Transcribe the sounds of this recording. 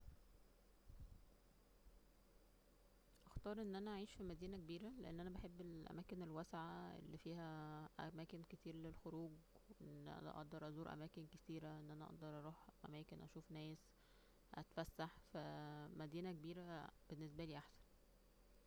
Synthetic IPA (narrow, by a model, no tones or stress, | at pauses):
ʔɑxt̪ɑːɾˤʔenːʔænæʔæʕiːʃfimæd̪iːnækebiːɾæleʔḛnːʔænæbaħebːelʔæ̰mæːkenelwæsʕaḛlːifiːhæʔæ̰mæːkenket̪iːɾlelxoɾuːɡ | weʔenːʔæ̰næ̰ʔɑ̰ʔd̪ɑɾˤʔɑzuːɾʔæ̰mæːkenket̪iːɾæʔenːʔænæʔɑ̰ʔd̪ɑɾˤʔɑɾˤuːħʔæ̰mæːkenʔæʃuːfnæːs | ʔæ̰t̪fæsːaħfæmæd̪iːnækebiːɾæb̥enːes̬bæliːʔaħsæ̥n